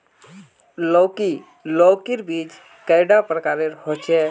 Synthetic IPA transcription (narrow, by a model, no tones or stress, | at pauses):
lɔki | lɔːkiɾbiːd͡ʒ | kəɪɖapɾəkaːɾeɾhot͡ʃʰɛ